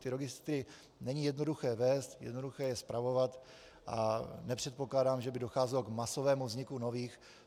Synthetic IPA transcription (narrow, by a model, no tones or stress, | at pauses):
t̪ɪɾoɡɪst̪ɾɪ | nɛɲɪjɛdno̞duxɛːvɛːst̪jɛ̰dno̞duxɛːjɛspɾavo̞vat̪ | ʔanɛpr̥ɛt̪̚po̞klaːdaːmʒɛbɪdo̞xaːzɛloɡmaso̞vɛːmuvzɲɪkuno̞viːx